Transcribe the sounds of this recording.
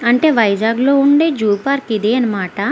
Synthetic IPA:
ɐɳʈe̞ːʋɐjd͡ʒaːɡlo̞ːuɳɖe̞ːd͡ʒuːpaːɾkid̪eːɐnɐmaːʈɐ

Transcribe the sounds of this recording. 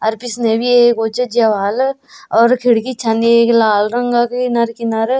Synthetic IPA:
ɐɾpisnebiekot͡ʃəd͡ʒɐʋaːlɔːɾkʰiɽkit͡ʃʰanieklaːlɾɐŋɡakinɐɾkinɐɾ

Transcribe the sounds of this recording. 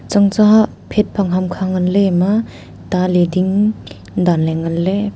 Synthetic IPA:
t͡ʃaŋt͡ʃa | pʰet̚pʰaŋɦamkʰaŋanlema | talediŋ | danleŋanle

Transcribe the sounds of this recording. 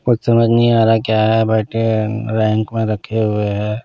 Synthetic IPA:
kʊt͡ʃʰsɐməd͡ʒʱnɐɦĩaːɾakjaːɦɛbaːʈeɾɛ̃ːŋkmẽɾɐkʰeɦʊeɦɛː

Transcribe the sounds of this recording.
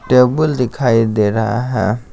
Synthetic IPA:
ʈebuld̪ikʰajid̪eɾaɦã̰

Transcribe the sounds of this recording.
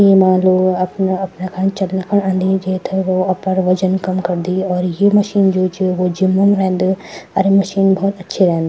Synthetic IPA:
jemãloːɡɐpnɐpnakãnt͡ʃɐlnɐkʰəɽ̃ãːnd̪id͡ʒeːt̪ʰeʋoɐpəɾʋɐd͡ʒənkɐmkɐɾd̪iɔːɾjemɐʃiːnd͡ʒoːt͡ʃiʋod͡ʒɪmːəmɾɛɦnd̪eɐɾemɐʃiːnbɔːt̪ɐtːʃʰeɾɛɦnd̪a

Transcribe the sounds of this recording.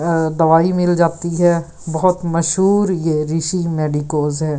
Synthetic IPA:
d̪ɐʋaːimɪld͡ʒaːt̪iɦɛ | bɐɦʊt̪mɐʃɦuːɾjeɾiʃimeːɖikoːzɦɛː

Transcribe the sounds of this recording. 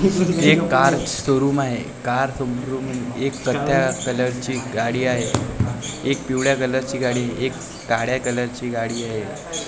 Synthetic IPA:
ekːaɾsəɾuːmaɦe | kaɾsəmkɾuːməekːət̪ʰjakələɾt͡ɕiːɡaɽiːaɦe | ek̚piʋɭjakələɾt͡ɕiːɡaɽiːaɦeʔekː | aɽjakələɾt͡ɕiːɡaɽiːaɦe

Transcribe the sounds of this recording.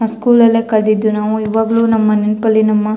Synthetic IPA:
ɐskuːlɐlːeːkɐld̪id̪ːunaːʋuiʋaːɡɐɭuːnɐmːɐnenpɐlːinɐmːɐ

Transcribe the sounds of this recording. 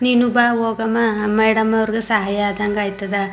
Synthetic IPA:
niːnubaːɦoːɡɐmamɐjɽɐmɐʋɐɾiɡesɐɦajaːd̪ʱɐŋɡaːjt̪ːɐd̪ɐ

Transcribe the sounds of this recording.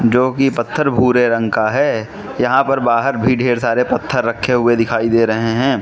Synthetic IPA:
d͡ʒoːkipɐt̪ʰːəɾbʱuːɾeɾɐ̃ŋɡkaɦɛː | jɐɦãpɐɾbaːɦəɾbʱiɖʱeːɾsaːɾepɐt̪ʰːəɾːɐkʰːeɦʊed̪ɪkʰaːid̪eːɾɐɦeɦɛ̃ː

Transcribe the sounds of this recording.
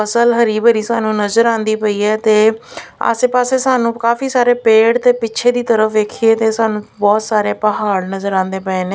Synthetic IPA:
əsəlɦəɾiːbəɾiːsaːnũːnəzəɾãːnd̪iːpəiːɛːt̪eːə̰seːpaːseːsaːnũːkaːfiːsaːɾeːpeːɽt̪eːpɪʃʰeːd̪iːt̪əɾəfʰʋeːkʰieːt̪eːsaːnũːbɔːt̪saːɾeːpəɦaːɽnəzəɾãːnd̪eːpəeːneː

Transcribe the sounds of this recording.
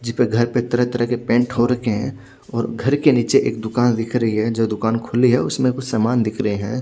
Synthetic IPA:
d͡ʒɪspeɡʱɐɾpet̪ɐɾəɦt̪ɐɾəɦkepẽːɳʈɦoɾɐɦeɦɛ̃ː | ɔːɾɡʱɐɾkeniːt͡ʃeʔḛːk̚d̪ʊkaːnd̪ɪkʰɾɐɦiɦɛd͡ʒoːd̪ʊkaːnkʰʊliɦɛʊsmẽkʊt͡ʃʰsaːmaːnd̪ɪkʰɾɐɦeɦɛ̃ː

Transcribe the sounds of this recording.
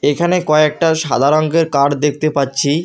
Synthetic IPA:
ekʰanekɔeek̚ʈaʃa̰d̪ʱaɾoŋɡeɾkaɾd̪ek̚ʰt̪epatːɕʰi

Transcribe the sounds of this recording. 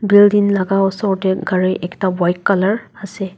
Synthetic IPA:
bildinlaɡaɔsɔɹɔtɛɡaɹɛʔɛktabɔjkːalaɹasɛ

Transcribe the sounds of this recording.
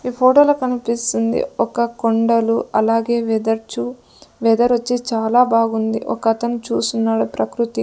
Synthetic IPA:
iːpʰoːʈoːlɐkɐnupist̪und̪ḭɔkɐkoɳɖɐluɐlaːɡe̞ːʋd̪ɐɾt͡ʃu | ʋɛːd̪ɐɾot͡ʃːit͡ʃaːlaːbaːɡund̪ḭʔɔ̰kɐt̪ɐnut͡ʃuːsunːaːɽupɾʔɐkɾut̪i

